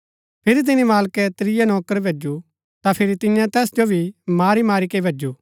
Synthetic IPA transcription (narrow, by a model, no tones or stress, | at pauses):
pʰɪɾit̪̬ɪnimaːlkɛt̪ɾɪjanɔːkəɾbʱeːd͡ʒu | t̪apʰɪɾit̪ɪ̃jãt̪ɛːsd͡ʒobʱimaːɾimaːɾikeibʱeːd͡ʒuː